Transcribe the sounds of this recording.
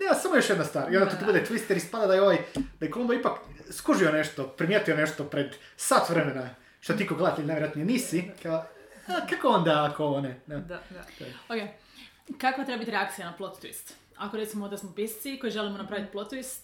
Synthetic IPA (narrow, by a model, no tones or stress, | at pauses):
neasamojo̞ʃjed̪nast̪ʋaːɾiond̪at̪ot̪obud̪et̪ʋist̪eɾist̪pad̪ad̪ajeoʋajd̪̥ajeklumboipakskuʒione̞ʃt̪opɾimjet̪ujone̞ʃt̪opɾed̪ | sat̪ʋɾemena | ʃt̪ot̪iikoɡleat̪leneʋjeɾat̪nojeniːsikaoakakoond̪aakooned̪at̪aoke | kakʋat̪ɾebabit̪iɾeakt̪sijanaplˠot̪ːʋḭst̪ | ako̞ɾet̪simoond̪asmopist̪siko̞jiʒelimonapɾaʋit̪̚plot̪t̪ːʋist̪